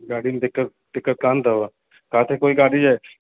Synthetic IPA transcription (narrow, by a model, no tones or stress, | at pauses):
ɡaːɽind̪ɪkːət̪̚ | d̪̥ɪkːət̪̚kãːnt̪aʋa | kaːt̪ʰekoːiɡaːɖid͡ʒaːe